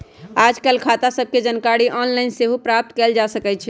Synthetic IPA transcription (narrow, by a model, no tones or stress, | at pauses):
ad͡ʒkɛlkʰat̪asəb̚ʱked͡ʒənkaɾiʔɔnlaɪnseɦupɾap̚t̪kɛld͡ʒasəkɛt͡ʃʰɛ